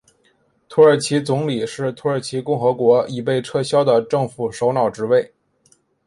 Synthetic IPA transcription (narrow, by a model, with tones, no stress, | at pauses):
t̪ʰu˧˥ə˞˨˩t͡ɕʰi˧˥t͡sʊ˧˥ŋli˨˩ʂɻ̩˥˩t̪ʰu˧˥ə˞˨˩t͡ɕʰi˧˥kʊ˥˩ŋxɤ˧˥kwɔ˧˥i˨˩p̬e˥˧ɪʈ͡ʂʰɤ˥˧ɕjɑ˥ʊd̪ə˨ʈ͡ʂɤ˥˩ŋfu˨˩ʂo˧˥ʊnɑ˨˩ʊʈ͡ʂɻ̩˧˥we˥˩ɪ